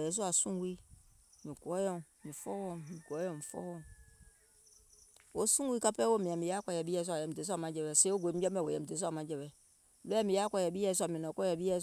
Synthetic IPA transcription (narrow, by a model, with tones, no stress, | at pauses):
jɛ˨˦s̬u˦a˨sũ˦wi˦mĩ˨ku˨ɔ˦jɔ̃˦˨mmĩ˨fɔ˦wɔ˦˨m˨mĩ˨kɔ˦jɔ̃˨mi˨fɔ̰˦wɔ̃˦˨m | wo˨˦sũ˦wi˦ka˦pɛ˦wo˦˨mĩ˨ã˨mĩ˨ja˦kɔ˦˨jɛ˨bi˦ɛ˦s̬u˦a˨jɛ˨m̩i˨e˨˦s̬a˦˨mã˨˦d͡ʒɛ˨bɛ˨se˦o˦ɡʷo˨e˦mi˦d͡ʒɔ˦m˦ɛ˨wo˨jɛ˨m̩i˨e˨˦u˦a˨mã˨˦d͡ʒɛ˨bɛ˨ | lo˦a˦˨mi˨a˦kʷɔ˦˨jɛ˨bi˦ɛ˦s̬a˨mĩ˨nɔ̃˨kɔ˦jɛ˨bi˦ɛ˦